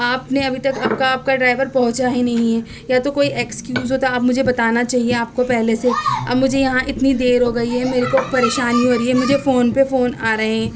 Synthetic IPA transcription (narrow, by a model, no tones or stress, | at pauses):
aːpneɐbʱit̪ɐkɐːb̚kaaːp̚kaɖɾaːɪʋəɾpɐɦʊ̃t͡ʃaɦinɐɦĩɦɛ | jat̪okoːiʔeːkskjuːzɦoːt̪aːbmʊd͡ʒʱebɐt̪aːnat͡ʃaːɦieaːp̚kopɛɦleseɐ̰bmʊd͡ʒʱejɐɦãʔɪt̪nid̪eːɾɦoɡɐiɦɛmeːɾekopɐɾeːʃaːniɦoɾiɦɛmʊd͡ʒʱefoːnpefoːnaːɾɐɦẽɦɛ̃ː